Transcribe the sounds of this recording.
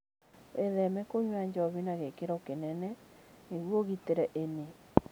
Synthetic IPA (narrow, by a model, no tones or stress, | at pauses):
ʔeðɛmɛkoɲwaɲd͡ʒɔβinaɣekeɾɔkenɛnɛneɣwoɣiteɾɛʔene